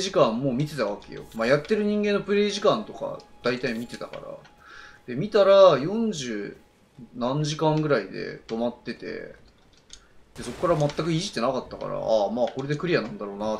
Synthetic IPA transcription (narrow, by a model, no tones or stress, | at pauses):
ʑikãmːo̞ːmʲit̪e̞t̪aβ̞ake̞̰jo̞̰majat̪ːe̞ɾɯ̟ɲ̟ĩŋɡẽ̞nːopɯ̟ɾe̞ːʑikãnt̪o̞ka̰d̪̥ait̪aimʲit̪e̞t̪aka̰ɾa̰ | d̪̥e̞mʲit̪aɾajõ̞ɲ̟d͡ʑɨː | nãɲ̟d͡ʑʑikãŋɡɯ̟ɾaid̪e̞̰t̪o̞mat̪ːe̞t̪e̞̰ | d̪̥e̞so̞kkːaɾamat̪ːakɯ̟iʑi̥t̪ːe̞nakat̪ːaka̰ɾa̰amaːko̞ɾe̞d̪e̞kɯ̟ɾʲijanãnd̪aɾo̞ːna